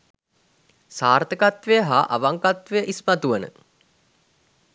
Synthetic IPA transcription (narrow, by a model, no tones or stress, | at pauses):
saːɾt̪əkat̪ʋejəɦaʔaʋaŋkat̪ʋejəʔismat̪uʋənə̰